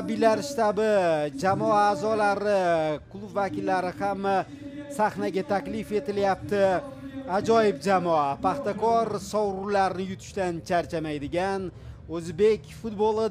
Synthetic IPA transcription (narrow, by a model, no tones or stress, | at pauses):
bɪlaɾʃt̪abɪd͡ʒamɒaːzɒlaɾɪkʰlˠubvakʲɪlːaɾɪhama | saχnaɡʲat̪ʰakʲlɪfe̞t̪ɪljap̚t̪ɪ | ad͡ʒɒjɪb̚d͡ʒamɒapʰaχt̪akɒɾsɒwɾulaɾɪnɪjʊt̪ʰɪ̥ʃt̪ant͡ʃʰaɾt͡ʃʰamajd̪ɪɡʲan | ɵzbe̞kʲfʊt̪bolˠɪ